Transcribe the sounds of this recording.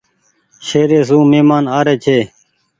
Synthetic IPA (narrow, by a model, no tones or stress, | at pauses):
ʃeːɾeːsũːmeːmaːnaːɾeːt͡ʃʰeː